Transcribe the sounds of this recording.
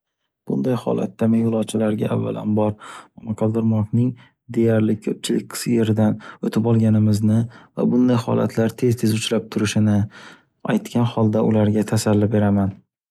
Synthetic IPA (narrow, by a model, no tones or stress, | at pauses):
b̥ʊ̰nd̪ajhɒ̰la̰t̪ːamɪjʊlˠɒt͡ʃʰalaɾɡʲaʔa̰vːa̰la̰nbɒɾmɒmɑqʰɑld̪ɪɾmɒknɪŋ | d̪e̞jaɾlɪkʲʰɵp̚t͡ʃʰɪlɪ̰k̚ʲqʰɨ̥sjeɾɪd̪anot̪ʰɪpɒlˠɡʲanɪmɪznɪva̰bʊnd̪ajhɒ̰la̰t̪ʰlaɾt̪ʰːe̞zt̪ʰe̞zʊt͡ʃʰlap̚t̪ʰʊɾɪʃɪnɪ | ajt̪kʲʰanhɒlˠd̪aʔʊlaɾɡʲat̪ʰasalːɪbe̞ɾaman